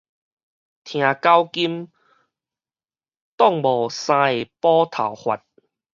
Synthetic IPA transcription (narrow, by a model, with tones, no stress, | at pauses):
t̪ʰj̃ã˨˩ka˦wki˦m | t̪ɔ˥˨ŋbɔ˨˩sã˧e˨˩pɔ˦t̪ʰa̰˨˩whwa̰˨t̚